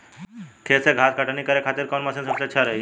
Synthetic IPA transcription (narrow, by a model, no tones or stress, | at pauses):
kʰeseɡʱaːskaʈanikəɾekʰaːt̪ɪɾkɔnmasensəbseətːʃʰaɾəɦi